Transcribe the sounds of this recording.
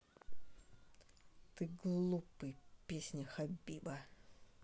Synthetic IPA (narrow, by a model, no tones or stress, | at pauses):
t̪ɨɡlˠupɨjpʲesʲnʲɪxɐbʲibə